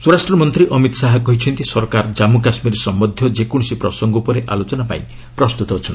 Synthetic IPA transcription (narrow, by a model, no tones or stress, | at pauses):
suɾasʈɾɔmɔnt̪ɾiʔɔmit̪ɔ̥saɦakɔɦit͡ʃʰɔnt̪isɔɾkaɾd͡ʒamukasmiɾesɔmbɔd̪ʱjɔd͡ʒekɔɽ̃ɔsipɾɔsɔŋɡɔupɔɾeʔalot͡ʃɔnapa̰ĩ | pɾɔst̪ut̪ɔɦot͡ʃʰɔn